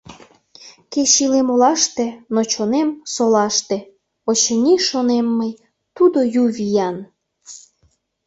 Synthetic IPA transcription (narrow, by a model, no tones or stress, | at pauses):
keɕilemolɑʃt̪ĕnot͡ɕonemsolɑʃt̪ĕ | ot͡ɕənʲiʃonemːəj | t̪ud̪ojuvʲijɑn